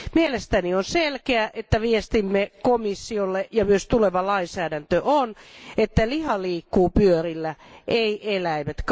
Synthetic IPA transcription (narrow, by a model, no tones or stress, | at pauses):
mielest̪ænionselkeæʔet̪ːæʋiest̪imːekomisːiolːeʔjɑmyøst̪uleʋɑlɑinsæːdænt̪øʔonet̪ːælihɑliːkːuːpyørilːæʔeiʔelæimet̪k